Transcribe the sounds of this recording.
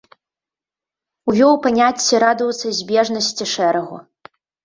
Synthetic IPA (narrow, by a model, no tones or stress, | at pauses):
uvʲɔwpanʲat͡sʲːiɾad̪uwt̪sɐzʲbʲɛʐnɐsʲt͡sʲiʂɛɾɐɣṵ